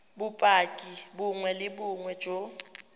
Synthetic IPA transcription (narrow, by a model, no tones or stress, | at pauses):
bʊpʼakʼibʊŋwɛlɪbʊŋwɛ̥d͡ʒ̥ʱʼo